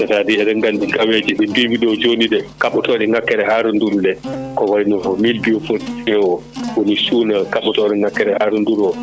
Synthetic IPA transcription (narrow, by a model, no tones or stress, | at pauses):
sɛtadiɛɗɛŋɡandiɡawed͡ʒiɓɛnduɡiɗɔwd͡ʒonidɛkaɓutɔɗɛŋakːɛɾɛhaːɾunduɾdɛkɔwaɾinɔhɔmilbijɔfolisɛɔwonisuːnakaɓːutɔɗɛŋakːɛɾɛhaɾunduɾɔ